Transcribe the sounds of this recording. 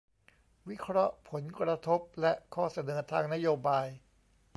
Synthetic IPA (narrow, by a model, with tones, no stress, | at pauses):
wi˦˥kʰɾɔ˦˥ʔpʰo˩˦nkɾa˧t̪ʰo˦˥p̚lɛ˦˥ʔkʰɔː˥˩sa˧nɤː˩˦t̪ʰaː˧ŋna˦˥joː˧baː˧j